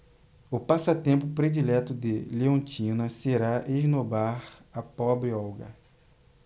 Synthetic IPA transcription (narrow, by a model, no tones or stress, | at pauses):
ʊpasɐt̪ẽmpʊpɾed͡ʒilɛt̪ʊd̪ɪleõt͡ʃĩnɐseɾaʔeʒnobaɾɐpɔbɾɪɔwɡɐ̰